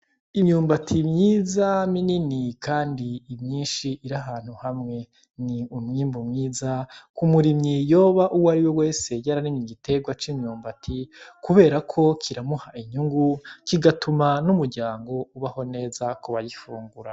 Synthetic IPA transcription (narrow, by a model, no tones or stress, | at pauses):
iɲuːmbatʰimɲiːzamininikaːndiːmɲiːnʃiʔiɾaɦaːn̥uhamŋe̞ | niumŋiːmbumŋiːzakumuɾimɲijo̞ːβaʔuwaɾiwewe̞ːse̞ɟaɾanimɲiɡite̞ɡwat͡ʃimɲuːmbatʰikuβe̞ːɾakʰo̞kʰiɾamuhaʔiɲuŋɡukiɡatumanumuɾɟaːŋɡo̞uβaho̞ne̞ːzakuβajifuːŋɡuɾa